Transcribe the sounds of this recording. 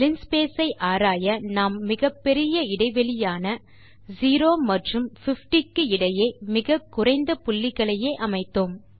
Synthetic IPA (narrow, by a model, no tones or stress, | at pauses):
lɪnspeːsɐɪʔaːɾaːjɐnaːmːɪɣɐpːɛɾɪjɐɪɽɐɪʋɛɭɪjaːnɐ | ziːɾoːmɐʈrɯmfɪfʈɪkːɯɪɽɐjeːmɪɣɐkːʊɾɐɪnd̪ɐpʊlːɪɣɐɭɐjeːʔɐmɐɪt̪ːoːm